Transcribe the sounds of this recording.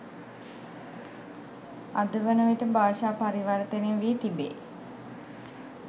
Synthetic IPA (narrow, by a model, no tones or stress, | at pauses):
ad̪əʋənəʋeʈəbaːʃaːpaɾiʋaɾət̪enenʋiːt̪ibḛː